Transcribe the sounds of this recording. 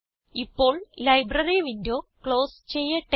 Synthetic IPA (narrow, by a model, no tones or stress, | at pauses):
ipːo̞ːɭlɐjbrɐriʋindo̞ːkɭo̞ːst͡ɕe̞jːɐʈ